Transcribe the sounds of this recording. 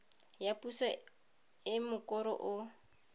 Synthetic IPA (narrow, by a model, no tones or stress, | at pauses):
japʼusa | ɪmʊkʼɔɾɔ̰ʔʊ